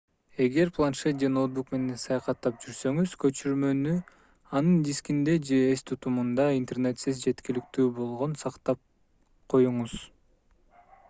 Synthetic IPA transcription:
e̞ɡe̞ɾplˠanʃet̪̚d͡ʒenot̪̚bukme̞ne̞nsɑjɑqɑt̪ːɑp̚d͡ʒyɾsø̞ŋyzkø̞t͡ʃyɾmø̞ny | ɑnɯnd̪ʲiskʲind̪e̞d͡ʒe̞ːst̪ʰut̪umund̪ɑint̪ernet̪sezd͡ʒe̞t̪kilikt̪yːbo̞lˠʁo̞nsɑqt̪ɑp̚ | qʰo̞juɴuz̥

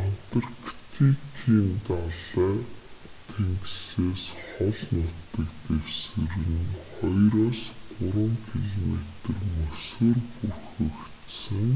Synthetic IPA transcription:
an̥t̪arkt̪ʰikʰiːnt̪aɮæː | t̪ʰeŋkseːsχɔɮnʊt̪ːə̆kt̪ewsɘ̆ɾɘ̆nχɔjɾɔːsɢʊɾwə̆ŋkʰiɮomet̪ə̆rmɵsoːrpurxɵ̆kt̪sɘ̆ŋ

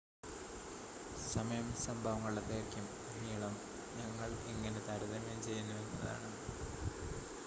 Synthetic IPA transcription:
sɐmɐjɐmsɐmbʱɐʋɐŋːɐɭɭɐp̪ːeːkʲːjum | niːɭɐm | ɲɐŋːɐɭiŋːɐnet̪ɐɾɐðɐmemt͡ɕe̞jːunːɐðenːɐɐða̰ːɳɨ

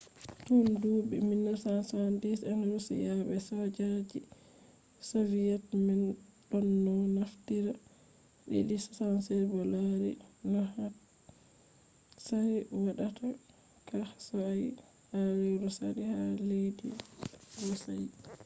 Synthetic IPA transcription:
tunduːbiminːasansandisɛnɾɔsḭjaɓɛsad͡ʒad͡ʒi | savijatmɛnɗɔnːɔnaftiɾa | ɗḭɗissansɛbɔlaɾḭnɔha | saɾɛwaɗata | kahsɔaj | halɛɾɔsa̰dihalejdḭɾɔsaj

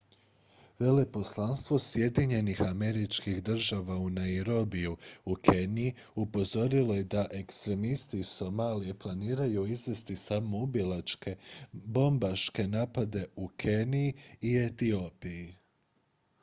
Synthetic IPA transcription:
ʋe̞lepo̞slˠanst̪ʋo̞sje̞d̪iɲe̞nixame̞ɾit͡ʃkixd̪r̩ʒaʋaunaiɾo̞bijuukʰe̞nii | upo̞zo̞ɾilˠo̞je̞d̪aʔe̞kst̪ɾe̞mist̪iːso̞malije̞plˠaniːɾajuizʋe̞st̪isamo̞ubilat͡ʃkebo̞mbaʃke̞naːpad̪e̞ukʰeniiiet̪io̞piji

